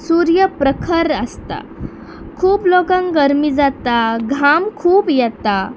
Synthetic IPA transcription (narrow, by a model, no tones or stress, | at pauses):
suɾjəpɾəkʰəɾəst̪a̰ | kʰuːplokə̃ŋɡəɾmid͡zat̪aɡʱamkʰuːpjɛt̪a